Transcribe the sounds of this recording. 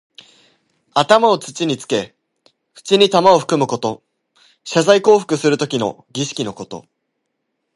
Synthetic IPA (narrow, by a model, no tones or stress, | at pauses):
at̪amao̞t͡sɨ̥t͡ɕiɲ̟it͡sɨ̥ke̞ | ɸɯ̟̥t͡ɕiɲ̟it̪amao̞ɸɯ̟̥kɯ̟mɯ̟ko̞t̪o̞ | ɕazaiko̞ːɸɯ̟̥kɯ̟sɨɾɯ̟t̪o̞kʲino̞̰ | ɡʲiɕi̥kʲino̞ko̞t̪o̞̰